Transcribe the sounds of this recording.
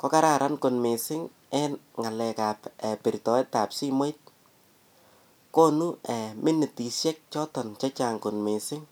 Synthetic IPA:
kɔ˦ka˦ɾa˦˨ɾʔa˦nko˨nme˨sɪ˦ŋ | ɛ˦n | ŋa˨lɛ˨ka˨pɛ˨pi˨ɾtɔ˨ɛ˦ta˨psi˦me˦jt̚ | ko˦nu˦ɛ˨mɪ˦nɪ˨ti˨sjɛ˦k̚t͡ʃɔ˦tɔ˨nt͡ʃa˦t͡ʃa˨ŋko˨nme˨sɪ˦ŋ

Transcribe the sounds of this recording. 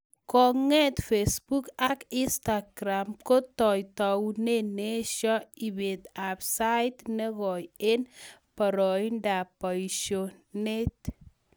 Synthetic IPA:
kɔ˨ŋɛ˦t̪fesbu˦kaki˦nsta˨ɡɾamko˦tɔ˨jtɔwne˦ne˦ʃɔ˦i˨be˨t̪apsa˦jtnɛ˦ɣɔ˨je˦npɔ˨ɾɔ˨jnda˨pɔ˨jʃo˨ne˦t

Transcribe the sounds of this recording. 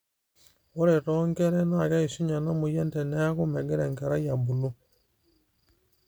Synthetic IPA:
wo˦ɾe˨tɔ˦ŋke˦ɾɛ˦na˦˨ka˦i˨ʃi˦ɲa˨na˦mu˨je˦nte˨ne˦a˦ku˦mɛ˨ɡɛ˦ɾe˨ŋka˨ɾa˦ja˨bu˨lu˦

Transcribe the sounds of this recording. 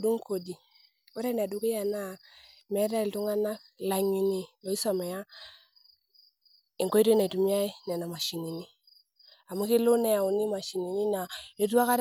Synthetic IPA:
du˦ŋko˨di˨ | o˦ɾɛ˦n˨a˨du˨˦ke˦ja˨na˦˨mɛ˦ɾa˦i˨ltu˦ŋa˦na˦k | la˨ɲi˨ni˨o˨i˦sa˨mɛ˨ja˦ | ɪ˨ŋko˦i˦to˦na˨tu˨mi˦a˦i˦nɛ˨na˨ma˨ʃi˨ni˨ni˦ | a˨mu˦ki˦lo˦nɛ˨a˨u˨ni˦ma˨ʃi˨ni˨ni˦na˨e˦tu˦a˦ka˦ɾ

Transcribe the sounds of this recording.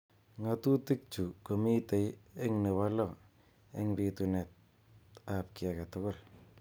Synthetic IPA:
ŋa˨tu˦ti˦k̚t͡ʃu˨ko˨mi˦te˨je˦ŋne˨wa˦lɔ˦ | ḛ˦ŋbi˨tune˨t̚ | ap̚ki˨aka˨tʊkʊ˦l

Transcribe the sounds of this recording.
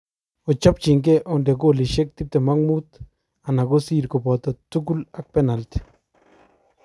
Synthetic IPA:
ɔ˨t͡ʃɔ˦p̚t͡ʃɪ˨ŋk̬ɛ˦ʔɔndɛ˨k̬o˦˨li˨ʃe˦k̚t̪i˦p̚t̪ɛ˨ma˦ŋmut̪ | a˨na˨ko˦siː˦ɾkɔ˨pɔ˨t̪at̪u˦k̬u˦la˨k̚pɛ˦na˨lt̪

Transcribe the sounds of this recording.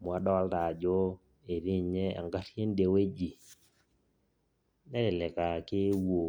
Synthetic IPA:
mwa˦dɔ˦lta˨d͡ʒɔ˦ | e˨ɾi˦ɲe˦a̰˨ŋɡa˦ɾje˦nde˨we˦d͡ʒi˨ | nɛ˦ɾɪ˨lɛ˨ka˨kɪ˦wo˨

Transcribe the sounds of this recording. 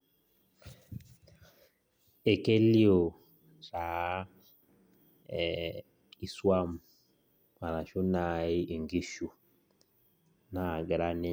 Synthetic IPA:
e˨ke˦li˦o˨ | ɾa˨˦ | i˨swa˦m˨ | ma˨ɾa˨ʃu˦na˨˦i˦ʔi˨ŋɡi˦ʃu˨ | na˨ɡɛ˨ɾa˦ne˦

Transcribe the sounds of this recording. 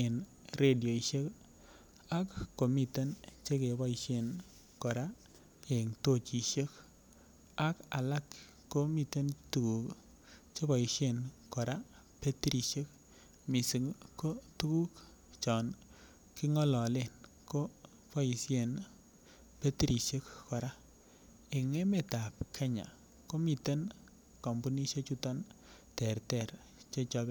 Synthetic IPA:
e˨nɾe˦˨djo˨i˨ʃe˦k | a˦kːo˨mi˦˨te˦nt͡ʃe˦ke˨βa˦i˨ʃe˦˨n | kɔ˨ɾa˦ | ke˨ŋto˦˨t͡ʃi˨ʃe˦k | a˦ka̰˨la˦kː | o˦mi˦˨te˦ntu˨ku˨k | t͡ʃe˦ba˨i˨ʃe˦˨nkɔ˨ɾa˦ | pe˦ti˦ɾi˨ʃe˦k̚ | mi˨si˨ŋko˦tu˦ku˦k | t͡ʃɔ˨n | ki˦ŋɔ˦lɔ˨le˦˨n | ko˦ | pɔ˦i˨sje˨n | pe˦ti˦ɾi˨ʃe˦kkɔ˨ɾa˦ | i˨ŋe˦me˨ta˨p̚kʰe˦ɲa̰˨ | ko˦mi˨te˦n | kɔ˨mbu˦ni˦ʃe˦t͡ʃu˦tɔ˦ntɛ˨ɾtɛ˨ɾ | t͡ʃe˦t͡ʃɔ˧˦bɛ˦

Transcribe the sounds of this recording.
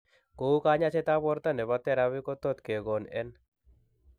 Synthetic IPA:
ko˨u˦kaɲat͡ʃɛ˦t̪abɔ˦ɾt̪a˦nɛ˨bat̪ɛ˦ɾawɪkɔ˦t̪ɔ˦t̪ke˨ɡɔ˨nɛn

